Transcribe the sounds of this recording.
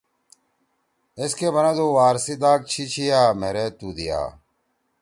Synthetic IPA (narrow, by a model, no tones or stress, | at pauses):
eskeːbɐnãːd̪oːʋaːɾsid̪aːk̚t͡ɕʰit͡ɕʰijaːmeɾeːt̪uːd̪ija̰ː